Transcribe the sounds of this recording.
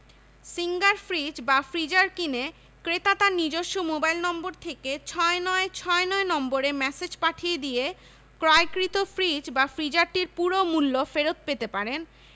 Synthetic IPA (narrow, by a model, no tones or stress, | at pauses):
siŋɡaɾfɾid͡ʑbafɾid͡ʑaɾkine | kɾet̪at̪anid͡ʑoʃːomobajlnɔmboɾt̪ʰeket͡ɕʰɔenɔet͡ɕʰɔenɔenɔmboɾemɛsed͡ʑpaʈʰijed̪ije | kɾɔekɾit̪ofɾid͡ʑbafɾid͡ʑaɾʈiɾpuɾomulːofeɾot̪̚pet̪epaɾen